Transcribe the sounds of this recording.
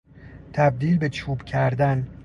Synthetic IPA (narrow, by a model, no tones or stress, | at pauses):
t̪ʰæb̚d̪iːlbet͡ʃʰuːbcʲʰæɾd̪æn